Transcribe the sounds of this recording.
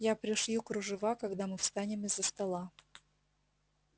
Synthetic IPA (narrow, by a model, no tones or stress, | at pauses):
japɾʲɪʂjʲukɾʊʐɨvakɐɡd̪amɨfst̪anʲɪmɪzːəst̪ɐlˠa